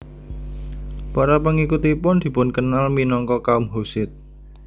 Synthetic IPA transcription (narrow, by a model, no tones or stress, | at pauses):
paɾapəŋikut̪ipʊnd̪̥i̤pʊnkənalminɔŋkɔkaumɦusɪt̪̚